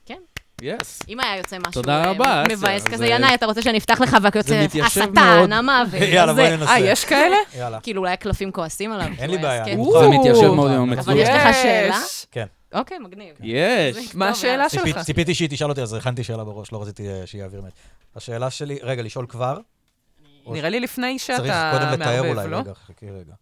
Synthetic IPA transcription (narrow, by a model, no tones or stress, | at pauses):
kenjesimajajo̞t͡semaʃt̪od̪aʁabamevajeskazejanajat̪aʁot͡seʃeanift̪aχleχavakjot͡seit̪jaʃavmeonamaːvjalamanenaajjeʃkaelejalakiiluulajaklafimkoasimalavenlibeːjakemit̪jaʃevmeod̪mmavalljeʃleχaʃeːlaken | ʔokejmɐɡnivjeʃmaaʃeːlaʃelt͡sipit̪̬iʃit̪iʃalot̪iazeχant̪iʃeːlabeʁo̞ʃloʁat͡sit̪iʃejaːviʁmeet̪haʃeːlaʃeliʁeɡaliʃo̞lkvaʁ | niʁelilifnejʃeaʁiakodemlemtaeʁulajɡaχkiʁeɡa